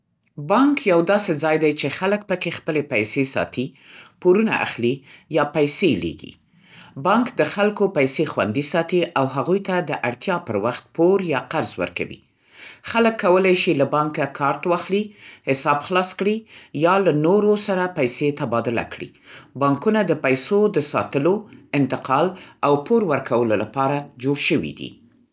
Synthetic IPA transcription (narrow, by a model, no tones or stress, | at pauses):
bɑŋkjawd̪ɑsed͡zɑjd̪ajt͡ʃexalək̚pəkexpəlepajsesɑ̰t̪i | poɾuna̰ʔa̰xlijɑpajselḛɡḭ | bɑŋkd̪əxalkopajsexwa̰nd̪isɑt̪iʔawɦaɣujt̪ad̪əʔaɽt̪jɑpəɾwaxt̪̚poɾjɑqaɾzwə̰ɾka̰wḭ | xaləkːawəlajʃilabɑŋkakʰɑɾt̪wɑxlihɪsɑbxlɑskɽijɑlanoɾosaɾapajset̪abɑd̪ʊla̰kɽḭ | bɑŋkunad̪əpajsod̪əsɑ̰t̪əloɪnt̪ɪqɑlawpoɾwəɾkawəlolapɑɾad͡ʒoɽʃəwḭd̪ḭ